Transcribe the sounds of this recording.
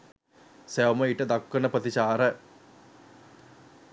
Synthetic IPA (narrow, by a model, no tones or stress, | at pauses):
sewməiʈəd̪akːənəpət̪iɕaːɾə